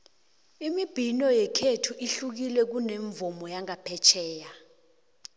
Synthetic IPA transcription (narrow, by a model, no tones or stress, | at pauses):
imib̥ʱinɔjɛkʰetʰuʔiɬuk̬ilɛk̬uneɱvɔmɔjaŋapʰɛt͡ʃʰɛːja